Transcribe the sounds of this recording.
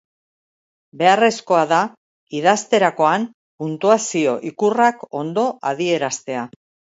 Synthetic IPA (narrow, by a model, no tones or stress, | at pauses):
be̞are̞sko̞aða | iðast̪e̞ɾako̞an | punt̪uasio̞ʔikurako̞nd̪o̞ʔað̞ie̞ɾast̪e̞a